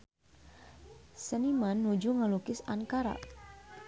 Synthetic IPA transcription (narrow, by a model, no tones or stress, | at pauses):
sənimanːud͡ʒuŋəlukɪsaŋkaɾa̰